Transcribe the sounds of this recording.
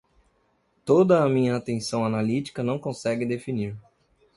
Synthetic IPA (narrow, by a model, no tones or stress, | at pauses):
t̪od̪ɐːmĩɲɐːt̪ẽsɐ̃w̃analit͡ʃi̥kɐnɐ̃w̃kõsɛɡɪd̪efiniɾ